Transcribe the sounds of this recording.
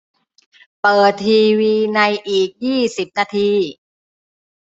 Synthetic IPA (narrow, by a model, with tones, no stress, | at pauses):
pɤː˨˩t̪ʰːiː˧wiː˧na˧jʔiː˨˩k̚jiː˥˩si˨˩p̚naː˧t̪ʰiː˧